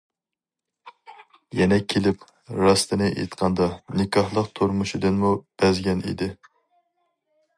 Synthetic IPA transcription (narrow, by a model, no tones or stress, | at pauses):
jɛnɛkʲʰelɪp | ɾɑst̪ɨnɨʔḛt̪qʰɑnd̪ɑnɪkʰʲɑhlˠəqt̪ʰuɾmuʃid̪ɨnmub̥ɛzɡʲɛnḭd̪ɪ